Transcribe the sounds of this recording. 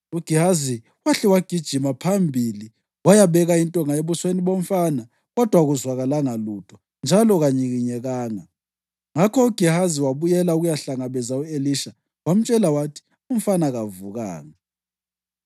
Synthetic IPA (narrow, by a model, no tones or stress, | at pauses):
uɡ̥ʱihazi | waɬɛwaɡ̥ʱid̥ʒ̥ʱimapʰambʱili | wajaβɛɣaintʼɔŋaeβusweniβom̩fana | ɣɔd̥ʱwaɣuzwaɣalaŋalutʰʼɔ̥ | nd͡ʒʱalɔɣaɲiɣiɲɛɣaːŋa | ŋakʰɔuɡ̥ʱiɦaziwaβujɛlauɣujaɬaŋaβɛzaueliʃa | wam̩t͡ʃʼɛlawatʰi̥ | um̩fanaɣavuɣa̰ːŋa